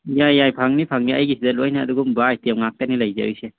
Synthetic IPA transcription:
jajːajpʰaŋnipʰaŋniajɡisʰidalojna̰ːduɡumbajtewŋak̚tanilajza̰wjse

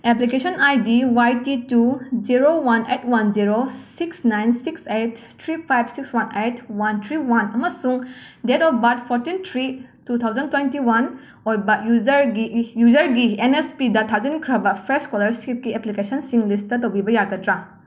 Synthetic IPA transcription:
eplikesonajdiwajtitud͡ʒiɾowanejtwand͡ʒiɾosiksnajnsiksetːʰɾipʰajb̚sikswanejtʰwantʰɾiwanɐmɐsuŋdetɔpbat̚pʰoɾtintʰɾitutʰawzɐntwentiwan | ojbɐjuzɾɡijuzɐɾɡienespidɐtʰazɐnikʰɾɐbɐpʰɾeskolɐɾsip̚kieplikesɐnsiŋlistɐtowbibɐjaɡɐtɾa

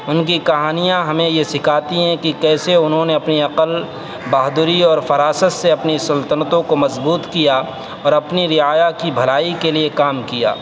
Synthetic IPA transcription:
ʊnkikɐɦaːnijãɦɐmẽjesɪkʰaːt̪iɦɛ̃kikɛːseʊnɦõneɐpniɐqəl | baːɦd̪ʊɾiɔːɾfɐɾaːsət̪seɐpnisɐlt̪ənət̪õkomɐzbuːt̪kija | ɔːɾɐpniɾɪaːjakibʱɐlaːikeliekaːmkija̰ː

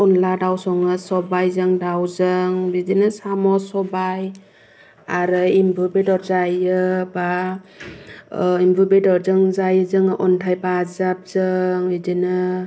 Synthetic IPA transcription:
ɔnladawsɔŋɯsɔbajzɯŋdawzɯŋbidinɯsamɔsɔbaj | aɾɯimbʱubedɔɾzajɯba | imbʱubedɔɾzɯŋzajɯzɯŋʔɔntʰajpazap̚z̥ɯŋbidinɯ

